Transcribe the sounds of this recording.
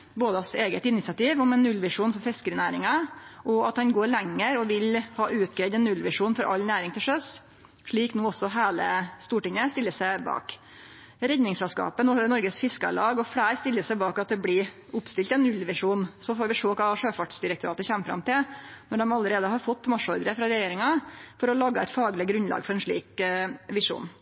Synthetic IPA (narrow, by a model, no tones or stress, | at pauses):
boːd̪əɑseːɡət̪ɪnɪt̪sɪɑt̪iːʋɔmɛnːʉlʋɪʂuːnfɔɾfɛskəɾɪnæːɾɪŋɑʔɔɑt̪hɑnɡoːɾɭɛŋːəɾɔʋɪlhɑːʔʉːt̪ɡɾɛɪd̪ɛnːʉlʋɪʂuːnfɔɾʔɑ̰lnæːɾɪŋt̪ʰɪlʂœs | ʂɭiːknoːɔsːɔɦæːlə̰st̪uːʈɪŋːəst̪ɪlːəsæɪbɑ̰ːk | ɾɛd̪nɪŋsɛlskɑ̰ːpənɔnɔɾɡəsfɪskɑ̰lɑːɡɔfɽæːɾst̪ɪlːəsæɪbɑːkɑt̪̚d̪ɛblɪ | ʊpst̪ɪlt̪ɛnːʉlʋɪʂuːnsɔfoːɾʋɪʂoːkʰɑːʂøːfɑʈsd̪ɪɾək̚t̪ʊɾɑ̰ːt̪əçɛmːfɾɑ̰mt̪ʰɪlnɔɖɛmɑlːəɾeːd̪əɦɑɾfɔt̪ːmɑʂɔɾd̪ɾəfɾɑɾɛjeːɾɪŋɑfɔɾɔlɑːɡːəɛɪt̪fɑːɡlɪɡɾʉnlɑ̰ːɡfɔɾɛnʂɭḭːkʋɪʂṵːn